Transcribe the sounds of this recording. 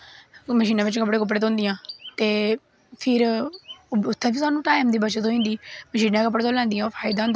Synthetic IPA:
məʃiːnãːʋɪt͡ʃkəpɽeːkəp̬ɽeːt̪õːnd̪ɪjãːt̪eː | pʰɪɾ | ʊt̪ʰːɛ̃ːpʰɪɾsaːnũːʈaːimd̪iːbət͡ʃət̪ɦoːĩnd̪iːməʃiːnãːkəp̬ːɽːt̪oːlãːnd̪ɪjãːpʰaːɪd̪ãːnd̪

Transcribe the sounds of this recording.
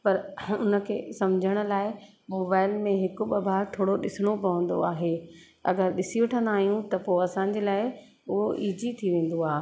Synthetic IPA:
pɐɾʊnə̆kʰḛːsɐmd͡ʑʱəɽ̃ʊ̆laːɪ | moːbaːɪlmẽɦɪkʊɓɐbʱaːɾt̪ʰoːɽoɗɪsɪɽ̃opɐʋə̃n̆d̪o̰aːɦeː | ɐɡəɾɗɪsiʋeʈʰə̃nd̪aːɦijũt̪ɐpoːɐsãɲ̆d͡ʑeːlaːɪ | ʊɦoʔiːd͡ʑit̪ʰiʋẽːn̆d̪oaː

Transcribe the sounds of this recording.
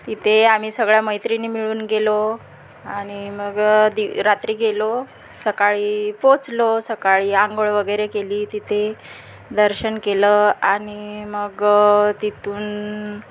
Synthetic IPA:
t̪it̪ʰeam̤iːsəɡɭjaməjt̪ɾinimiɭuːnɡelo | aɽ̃iməɡd̪iɾat̪ɾiːɡelo | səkaɭiːpot͡slosəkaɭiːãŋɡoɭʋəɡəjɾekeliːt̪it̪ʰe | d̪əɾɕənkeləañiməɡt̪it̪ʰuːn

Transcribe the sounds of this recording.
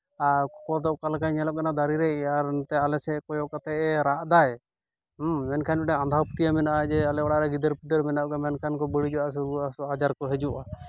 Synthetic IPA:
akɔkɔɾd̪ɔʔkalakajɲɛlɔk̚ɡanad̪aɾiɾɛʔaɾnt̪ɛalɛsɛkɔjɔʔkat̪ɛʔɛɾaʔd̪aj | mɛnkʰanɔɖɛand̪ʱawpu̥t̪ijamɛnaʔad͡ʒɛalɛɔɽaɾɛɡid̪əɾpud̪əɾmɛnaʔɡɛmɛnkʰankɔbəɽid͡ʒɔas̬uɾuaad͡ʒaɾkɔɦɛd͡ʒuʔa

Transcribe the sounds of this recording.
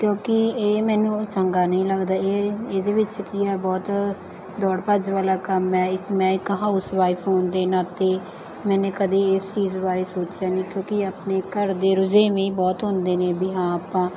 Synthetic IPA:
kjõːkɪeːmɛːnũːt͡ʃəŋɡaːnəĩːləɡd̪aːeːeːd̪eːʋɪt͡ʃkiːɛːbɔːt̪ | d̪ɔːɽpəd͡ʒʋaːlaːkəmɛːɪkmɛ̃ːɪkɦaːʊsʋaːɪpʰoːnd̪eːnãːt̪eː | mɛːnẽːkəd̪eːɪst͡ʃiːzbaːɾeːsoːt͡ʃjaːnĩːkjõːkɪaːpneːkəɾd̪eːɾʊd͡ʒeːmẽĩːbɔːt̪ɦʊ̃nd̪eːneːbiːɦãːaːpãː

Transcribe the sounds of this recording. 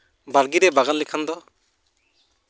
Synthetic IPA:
baɾɡiɾɛbaɡanlikʰand̪ɔ

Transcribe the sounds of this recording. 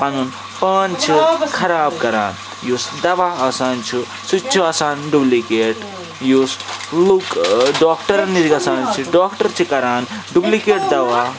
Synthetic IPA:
panun | pɐːnt͡ʃʰikʰɐɾaːb̚kɐɾa̰ːn | juːsd̪ɐʋaːɐsaːnt͡ʃʰi | sut͡ʃʰiɐsaːnɖublikeːʈ | juslukɖɔːkʈɐɾɐnid͡ʒikɐsaːnt͡ʃʰiɖɔːkʈɐɾt͡ʃʰikɐɾaːnɖublikeːʈd̪ɐʋaː

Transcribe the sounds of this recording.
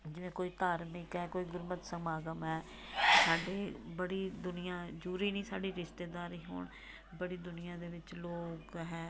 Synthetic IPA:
d͡ʒɪʋẽːkoːiːt̪aːɾmɪkɦɛːkoːiːɡʊɾmət̪səmaːɡəmɦɛː | saːɖeːbəɽiːd̪ʊnɪjãːd͡ʒuːɾiːnĩːsaːɖiːɾɪʃt̪eːd̪aːɾiːɦo̰ːɳ | bəɽiːd̪ʊnɪjãːd̪eːʋɪt͡ʃloːkɦɛː

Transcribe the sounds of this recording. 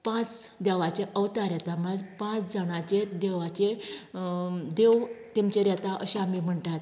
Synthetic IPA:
pãt͡sd̪ɛʋat͡ɕeʔəʋt̪aɾjɛt̪amad͡zpãt͡sd͡zʱəɽ̃at͡ɕed̪eʋat͡ɕe | d̪eʋt̪emt͡ɕeɾjɛt̪aʔəɕaamiːm̤əɳʈ̪at̪

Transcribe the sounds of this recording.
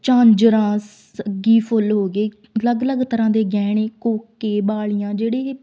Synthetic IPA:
t͡ʃãːnd͡ʒəɾãːs | əɡiːpʰʊlɦoːɡeː | ləɡləɡt̪əɾãːd̪eːɡɛːɽeːkoːkːeːbaːlɪjãːd͡ʒeːɽeː

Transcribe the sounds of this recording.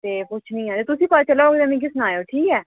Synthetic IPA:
t̪eːpʊt͡ʃʰnĩːãːt̪eːt̪ʊsĩːpət͡ʃəlaoːkd̪eːmẽːɡisʊnaːjoːʈʰiːkɛː

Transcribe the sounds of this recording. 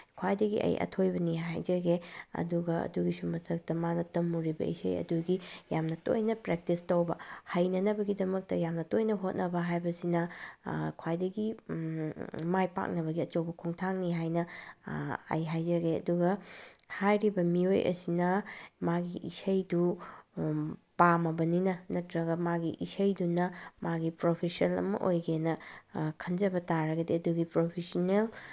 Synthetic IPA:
kʰwajdɐɡḭʔɐ̰jʔɐ̰tʰojbɐniɦa̰jd͡ʒɐɡeɐ̰duɡɐɐ̰duɡisumɐtʰɐk̚tɐmanɐtɐmːuɾibɐ̰ḭsɐjɐ̰duɡijamnɐto̰jnɐpɾek̚tistɐwbɐhɐjnɐnɐbɐɡidɐmɐk̚tɐjamnɐtojnɐɦot̚nʔɐbɐɦajbɐsinɐ | kʰwajdɐɡi | majpa̰k̚nɐβɐɡiɐt͡ʃɐwbɐkʰuŋtʰaŋniɦajnɐ | a̰jɦajd͡ʒɐɡeɐ̰duɡɐhajɾibɐmiojʔɐ̰sinɐmaɡiḭsɐjdu | pamɐbɐninɐnɐtɾɐɡɐmaɡiʔisɐjdunɐmaɡipɾopʰesɐlɐ̰mɐ̰ʔojɡenɐkʰɐnd͡ʒɐbɐtaɾɐɡɐdiɐduɡipɾopʰesonel

